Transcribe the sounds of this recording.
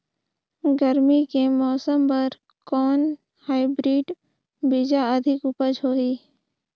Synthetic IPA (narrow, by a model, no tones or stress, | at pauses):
ɡəɾmikemɔːsəmpəɾ | kɔːn | haːɪbɾiːɖ | bid͡ʒaəd̪ʱɪkʊpəd͡ʒɦoːiː